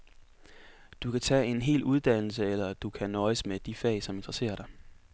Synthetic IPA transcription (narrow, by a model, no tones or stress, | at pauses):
d̥ukʰæt͡sʰɛːe̝nɦe̝̰ːluð̞ˠd̥æn̰l̩səelɐd̥ukʰænɒ̽ɪəsmed̥ifɛ̰ːsɒ̽me̝nd̥ʁɐse̝̰ːɐɾ̥ɑ̈ɪ